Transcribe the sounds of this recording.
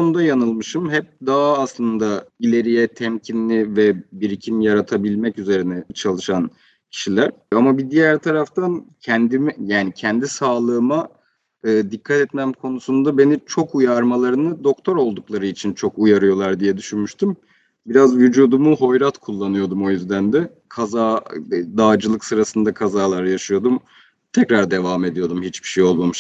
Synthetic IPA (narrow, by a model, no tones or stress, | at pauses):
onud̪ajanɯlˠmɯʃɯmhɛp̚d̪aɦaːslˠɯnd̪ailʲe̞ɾijɛt̪ʰɛmcʰinlʲivɛbiɾicʰimjaɾat̪ʰabilʲmɛcyze̞ɾinɛt͡ʃʰalˠɯʃan | cʰi̥ʃilʲæɾ̥amabid̪ijæɾt̪ʰaɾaft̪ʰancʰɛnd̪imijaːnicʰɛnd̪isaːlˠɯːma | ɯːd̪ikʰːat̪ɛt̪mæmkʰo̞nusund̪abe̞nit͡ʃʰo̞kujaɾmalˠaɾɯnɯd̪o̞kt̪ʰo̞ɾo̞lˠd̪uklˠaɾɯit͡ʃʰint͡ʃʰo̞kujaɾɯjo̞lˠaɾd̪ijɛd̪yʃynmyʃt̪ʰym | biɾazvyd͡ʒuːd̪umuɦo̞jɾat̪kʰulˠːanɯjo̞d̪umo̞jyzd̪ænd̪ɛ | kʰazaːd̪aːd͡ʒɯlˠɯksɯɾasɯnd̪akʰazaːlˠaɾjaʃɯjo̞d̪um | t̪ʰɛcɾaɾd̪e̞vaːme̞d̪ijo̞d̪umhit͡ʃbi̥ʃejo̞lˠmamɯʃ